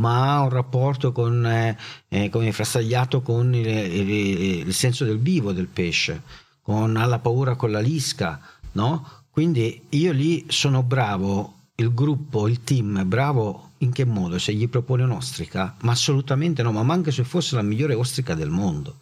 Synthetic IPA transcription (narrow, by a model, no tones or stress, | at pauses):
maaunrapːɔrt̪okon | komefɾast̪aʎːaːt̪okon | ilsɛnsod̪elviːvod̪elpɛʃːḛ | konalːapauːɾakonlːaliskanɔkwind̪iiːolisoːnobɾaːvo | ilɡɾupːoilt̪imɛbɾaːvoiŋk̟emːɔːd̪oseʎːipɾopoːneunɔst̪ɾikamaːsːolut̪ament̪enɔmamːaŋkesefːosːelamiʎːoːɾeɔst̪ɾikad̪elmond̪o